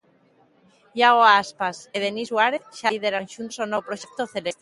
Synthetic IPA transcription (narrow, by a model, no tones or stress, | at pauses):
jaɣoaaspaseðenizwaɾeθʃaiðeɾanʃunsonowpɾoʃek̚t̪oθele